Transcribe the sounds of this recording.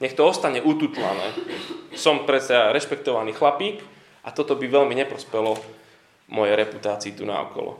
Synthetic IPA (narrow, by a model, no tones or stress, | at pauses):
ɲɛxt̪ɔɔst̪aɲɛʔut̪uːt̪la̰nɛ̰ːsɔmpɾɛt̪saɾɛʃpɛk̚t̪ɔʋaniːxlapiːk | ʔat̪ɔt̪ɔbiʋɛʎmiɲɛpɾɔspɛlɔ | mɔjɛjɾɛput̪aːt͡siːt̪una̰ɔ̰kɔ̰lɔ̰